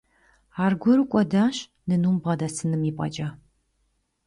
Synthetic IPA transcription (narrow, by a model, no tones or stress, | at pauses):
aːrɡʷɔɾukʷʼɔdaːɕ | nɨnumbʁɐdɐsɨnɨmiːpʷʼɐ̰d͡ʒʼɐ